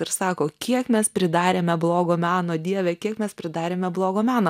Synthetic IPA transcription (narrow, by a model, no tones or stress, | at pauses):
ɪɾsɑːkoːkʲiɛkmʲɛspʲɾʲɪd̪ɑːɾʲeːmʲɛblˠoːɡoːmʲæːnoːd̪ʲiɛʋʲɛkʲiɛkmʲɛspʲɾʲɪd̪ɑːɾʲeːmʲɛblˠoːɡoːmʲæːnoː